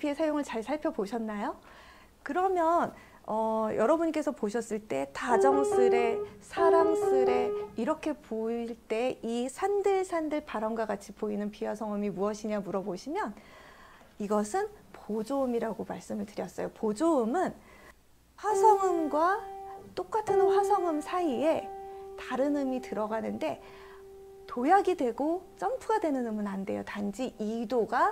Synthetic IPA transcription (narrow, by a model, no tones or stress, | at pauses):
piesʰajoŋɯɭt͡ɕaɭsʰaɭpʰjʌboɕʰʌnːajo | kɯɾʌmjʌn | ʌjʌɾʌbuɲk͈e̞sʰʌpoɕʰʌs͈ɯɭt͈e̞tad͡ʑʌŋsʰɯɾe̞sʰaɾamsʰɯɾe̞iɾʌkʰe̞poiɭt͈e̞isʰandɯɭsʰandɯɭpaɾʌmɡwaɡat͡ɕʰipoinɯnpʰiwasʰʌŋɯmimuʌɕʰiɲamuɾʌboɕʰimjʌn | iɡʌsʰɯnpod͡ʑoɯmiɾaɡomaɭs͈ɯmɯɭtɯɾjʌs͈ʌjopod͡ʑoɯmɯn | ɸwasʰʌŋɯmɡwat͈ok͈atʰɯnɸwasʰʌŋɯmsʰaie̞taɾɯnɯmitɯɾʌɡanɯnde̞ | tojaɡidwe̞ɡot͡ɕ͈ʌmpʰuɡadwe̞nɯnɯmɯnande̞̰jo̰tand͡ʑiʔidoɡa